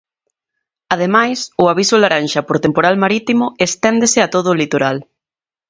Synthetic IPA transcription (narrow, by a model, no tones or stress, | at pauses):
aðemajsʊaβ̞isʊlaɾanʃɐpoɾt̪empoɾalmaɾit̪imʊest̪ɛnd̪esɪat̪oðʊlit̪oɾal